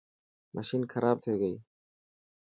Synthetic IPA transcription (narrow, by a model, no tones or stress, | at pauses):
mʔa̰ʃinkʰɐɾɑːb̚t̪ʰeːɡaj